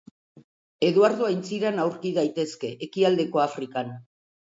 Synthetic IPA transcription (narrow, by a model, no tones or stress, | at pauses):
e̞ðuaɾðoajnt͡siɾanawɾkiðajt̪e̞ske̞ʔekiald̪e̞ko̞afɾikan